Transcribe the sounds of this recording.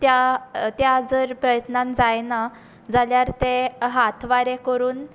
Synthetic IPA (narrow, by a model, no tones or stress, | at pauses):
t̪jat̪jad͡zəɾpɾəjət̪nand͡zajna | d͡zaljaɾt̪eɦat̪ʰʋaɾekəɾuːn